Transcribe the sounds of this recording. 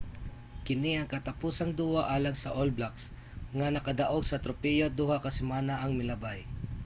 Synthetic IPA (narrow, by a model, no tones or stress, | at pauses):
kɪniɐŋkɐt̪ɐpuːsɐŋd̪uːwaʔaːlɐŋsɐʔolblaks | ŋɐnɐkɐd̪ɐʔo̞ɡ̚sɐt̪ɾʊpɛjod̪uhakɐsɛmaːnaʔɐŋmɪlɐbaj